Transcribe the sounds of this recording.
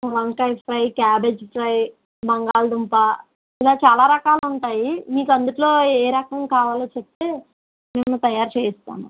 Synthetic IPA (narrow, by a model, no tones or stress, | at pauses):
ʋɐnkɐjpʰɾɐjkʲaːbeːd͡ʒpʰɾɐj | bɐŋɡaːld̪umpa | ilaːt͡ʃaːlaːɾɐkaːluɳʈaːjimiːkɐnd̪uʈlo̞ːeːɾɐkɐŋkaːʋaːloːt͡ʃep̚t̪e̞ː | meːmut̪ɐjaːɾt͡ʃeːist̪a̰ːmɐ̰